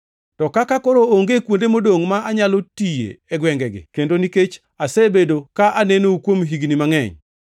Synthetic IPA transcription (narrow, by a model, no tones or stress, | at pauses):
tɔkakakɔɾooŋɡekwondemodoŋmaʔaɲalotijḛɛɡwɛŋɡɛɡɪ̰kendoniket͡ʃ | asebedokaʔanenoukwomɦiɡnimaŋɛ̰ɲ